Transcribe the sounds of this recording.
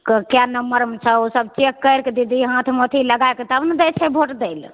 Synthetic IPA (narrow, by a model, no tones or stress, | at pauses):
kkjanəmːəɾmet͡ʃʰɛosəb̚t͡ʃekːəjɾked̪id̪iɦãt̪ʰmot̪ʰiləɡajket̪əbnəd̪ɛt͡ʃʰɛbʱoʈd̪el